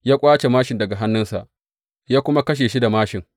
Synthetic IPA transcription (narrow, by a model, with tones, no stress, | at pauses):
jaː˦kʷʼaː˦t͡ʃe˨maː˦ʃɪ˨ndɐ˨ɡa˨ɦa˦nːʊ˦nsa̰˨ʔ | jaː˦kʷʊ˦ma˦kɐ˦ʃ̬eː˨ʃi˦da˨maː˦ʃɪ˨ŋ